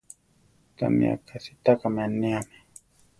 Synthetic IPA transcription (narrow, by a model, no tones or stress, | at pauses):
ta̰mḭa̰kasit̪akamaniamɛ